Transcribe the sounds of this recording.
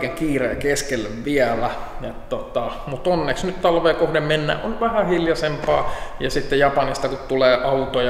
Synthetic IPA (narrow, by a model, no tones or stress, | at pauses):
keŋkiːrḛːkeskelʋʋiælæjet̪t̪ot̪ɑmut̪onːeksnyt̪t̪ɑlʋeːkohdemmenːæ̰ʔʔonʋæhæhiljɑsempɑːjɑsit̪ːejɑpɑnist̪ɑkut̪t̪uleːʔɑut̪oj